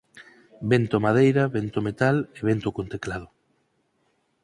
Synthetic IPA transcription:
bent̪omað̞ejɾɐβent̪omet̪aleβent̪okont̪eklaðo

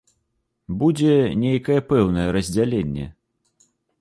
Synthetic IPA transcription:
bud͡zʲɛnʲejkɐjɛpɛwnɐjɛɾɐzʲd͡zʲalʲenʲːɛ̰

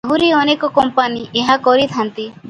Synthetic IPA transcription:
ɦuɾiɔnekɔkɔmpaniʔeɦakɔɾit̪ʰant̪i

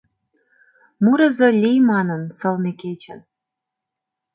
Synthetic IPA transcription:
muɾə̆zɤ̆lʲijmɑnənsɤ̆lneket͡ɕə̰̆n

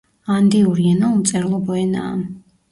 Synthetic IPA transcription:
and̪iuɾiɛnaut̪sʼɛɾlˠɔbɔɛna̰ːm

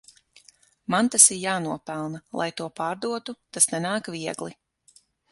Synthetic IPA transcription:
mant̪asiɾjaːnuɔpɛlˠnalˠʔa̰jt̪uɔpaːɾd̪uɔt̪ut̪asnɛnaːkviɛɡlˠi

